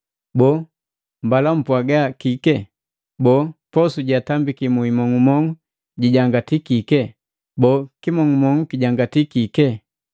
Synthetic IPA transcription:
bɔ | mbalam̩pwaɡakikɛ | bɔːpɔsuɟatambikimuimɔŋumɔŋu | ɟiɟaŋɡatikikɛ | bɔkimɔŋumɔŋukiɟaŋɡatikikɛ

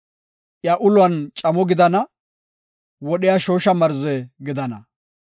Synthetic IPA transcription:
ʔjaːʔʊlʊɐnt͡ʃʼɐmɔɡɪd̪ɐnɐ | wɔɗɪjaʃo̞ːʃɐmɐɾzɛɡɪd̪ɐnɐ

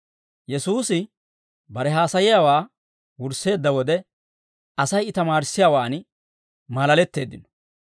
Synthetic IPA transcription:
jɛsuːsɪ | bɐɾɛɦaːsɐjɪjaːwaː | wʊɾsːe̞ːd̪ːɐwɔd̪ɛ | ɐsɐjɪt̪ɐmaːɾɪsːɪjaːwaːn | mɐlɐlɛt̪ːe̞ːd̪ːɪnɔ̥

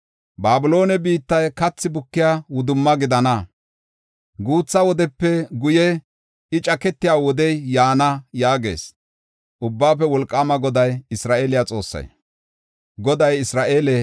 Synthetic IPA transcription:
baːbɪlo̞ːnɛbiːt̪ːɐjkɐt͡sːɪbʊkːɪjaːwʊd̪ʊmːɐɡɪd̪ɐnɐ | ɡuːt͡sːɐwɔd̪ɛpːɛɡʊjɛ | ɪt͡ʃʼɐkɛt̪ːɪjaːwɔd̪ɛjjaːnɐjaːɡe̞̰ːs | ʔʊbːaːpːɛwɔlkʼːaːmɐɡɔd̪ɐjɪsɾaːeːlɪjat͡sʼo̞̰ːsːɐ̰j | ɡɔd̪ɐjɪsɾaːʔeːle

